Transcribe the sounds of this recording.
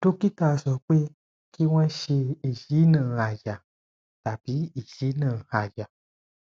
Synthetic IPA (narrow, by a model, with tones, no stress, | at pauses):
to˦ki˦ta˧˨sɔ˨k͡pe˦ | ki˦wã˦ʃe˧i˨ʒi˨˦nə̃˧˨˧a˨ʒa˨ | ta˨bi˨˦i˨ʒi˨˦nã˧˨a˨ʒa˨